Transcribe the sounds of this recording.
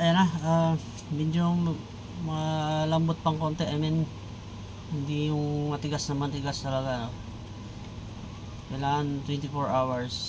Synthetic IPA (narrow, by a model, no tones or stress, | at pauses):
ʔɐjanaa | mɛd͡ʒo | mɐlɐmbot̪̚pɐŋko̞ːnt̪ɛʔɐmɪn | hɪnd̪ijʊŋmɐt̪ɪɡasnɐmɐnt̪ɪɡast̪ɐlɐɡano | kɐjlaːŋɐnt̪wɛnt̪ɪfoɹʔawɐɹs